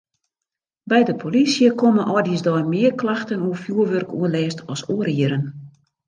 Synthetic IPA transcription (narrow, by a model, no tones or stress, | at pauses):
bɛjdəpʰolisjəkʰomənʔɔdisdɔjmɪərklaxtənuəfjuəʋørkʰṵənlɛːstʰɔsoəɾiəɾən